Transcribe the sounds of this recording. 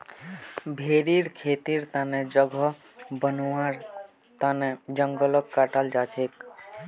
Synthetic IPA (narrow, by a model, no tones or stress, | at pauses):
bʱeɾiɾkʰeːt̪iɾt̪aned͡ʒəɡʱɔ | bənaɾ | t̪aned͡ʒəŋɡələkːaʈald͡ʒaːt͡ʃʰeːk